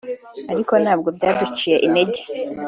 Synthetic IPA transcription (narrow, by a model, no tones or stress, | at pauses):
aɾiko̞naːb̚ɡo̞bɟaːdut͡ʃije̞ʔineɟe